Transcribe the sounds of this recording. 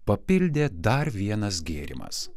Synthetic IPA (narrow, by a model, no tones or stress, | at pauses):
pɐpʲɪlʲd̪ʲeːd̪ɐɾʋʲiɛnɐs̬ɡʲeːɾʲɪ̰mɐ̰s